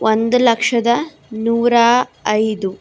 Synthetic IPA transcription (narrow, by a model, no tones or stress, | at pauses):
ʔond̪ulɐkʂɐd̪ɐ | nuːɾaɐjd̪u